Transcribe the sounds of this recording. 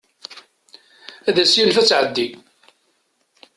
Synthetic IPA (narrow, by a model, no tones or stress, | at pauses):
æðæsjinfæt͡sːʕəd̪ːi